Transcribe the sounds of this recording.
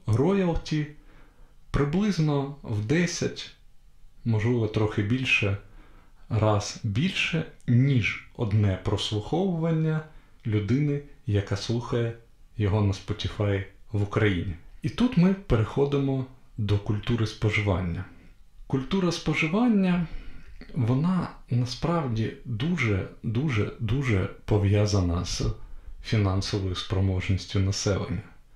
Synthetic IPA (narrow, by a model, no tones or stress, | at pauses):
ɦɾɔjɐlˠtʲi | pɾɪblˠɪznɔwd̪ɛsʲɐtʲ | mɔʒlˠɪʋɔt̪ɾɔxɪbʲilʲʃɛ | ɾɑz̥bʲilʲʃɛnʲiʒɔ̰d̪nɛpɾɔslˠʊxɔwʊʋɐnʲːɐ | lʲʊd̪ɪnɪjɐkɑslˠuxɐjɛ | jɔɦɔnɐspɔtʲifɑjʋʊkɾɐjinʲiit̪ut̪mɪpeɾexɔd̪ɪmɔ | d̪ɔkʊlʲt̪uɾɪspɔʒɪʋɑ̰nʲːɐ | kʊlʲt̪uɾɐspɔʒɪʋɑnʲːɐ | ʋɔnɑnɐspɾɑwdʲid̪uʒɛ̰d̪uʒɛ̰d̪uʒɛ̰pɔʋjɑzɐnɐz̥fʲinɑnsɔʋɔjʊspɾɔmɔʒnʲisʲtʲʊnɐsɛ̰lˠḛnʲːɐ